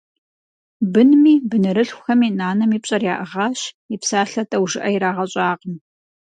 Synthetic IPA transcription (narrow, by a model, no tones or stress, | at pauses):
bɨnmiːbɨnɨɾɨɬxʷʊxɐmiːnaːnɐmiːpɕʼɐrjaːʔɨʁɑːɕ | ipsaːɬɐtʼɐwʒɨʔɐjiɾaːʁɐɕʼaːqəm